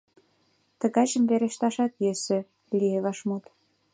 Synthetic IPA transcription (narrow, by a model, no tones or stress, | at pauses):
t̪ə̆ɣɑt͡ɕəmβeɾeʃt̪ɑʃɑt̪jøsø | lieβɑʃmut̪